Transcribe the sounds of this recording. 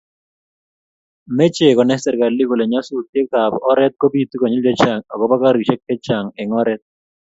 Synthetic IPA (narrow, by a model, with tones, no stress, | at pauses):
me˦t͡ʃe˨kɔ˨nɛ˦stɛ˨ɾka˨li˦ɡo˨le˨ɲa˦su˦˨t̪je˦ka˨bɔ˦ɾɛ˦t̪̚ko˦bi˦˨t̪u˦ko˨ɲi˦ld͡ʒe˦t͡ʃa˨ŋɔ˨ɡɔ˦ba˦ka˦ɾi˨t͡ʃɛ˦kɛ˦t͡ʃa˨ŋɛ˨ŋɔ˦ɾɛ˦t̪̚